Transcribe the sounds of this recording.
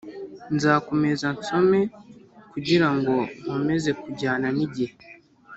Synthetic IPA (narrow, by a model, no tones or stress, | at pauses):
nzaːko̞me̞zanso̞me̞kuɟiɾaŋɡo̞mame̞ze̞kuɟaːnaniɟihe